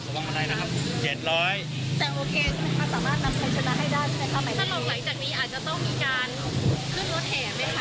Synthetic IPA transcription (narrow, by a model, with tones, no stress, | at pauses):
wa˧mʔa˧ɾa˧jna˦˥kʰa˦˥p̚t͡ɕe˨˩t̪̚ɾɔː˦˥j | t̪ɛː˨˩ʔoː˧kʰeː˧˥ma˧nsaː˩˦maː˥˩t̪̚na˧mt͡ɕʰa˨˧˩jt͡ɕʰa˦˥na˦˥ʔɦa˥˩jdaː˥˩jsʰa˥˩na˦˩kʰa˦˥mːa˥˩j̪ʰa˧˥˩ɔː˨˦ŋ̚la˩˦ŋt͡ɕaː˨˩k̚niː˦˥ʔaː˨˩t̪̚t͡ɕa˨˩t̪ɔ˥˩ŋmiː˧kaː˧n | kʰɯ˥˩nɾo˦˥t̪̚hɛː˨˩˦ma˦˥jkʰa˦˥